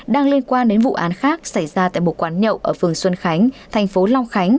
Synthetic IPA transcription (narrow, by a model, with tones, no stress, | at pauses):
ɗaː˧ŋli˧ənkwaː˧nɗe˨˦nvṵ˧˨ʔaː˨˦nxaː˦˥k̚sa˧˩jzaː˧t̪a̰ː˧˨jmo˨˩t̚kwaː˨˦nɲə̰˧˨wʔəː˧˩fɨ˨˩əŋswə˧nxa˨˦jŋ̟t̪ʰa˨˩jŋ̟fo˨˦lɔ˧wŋ͡mxa˨˦jŋ̟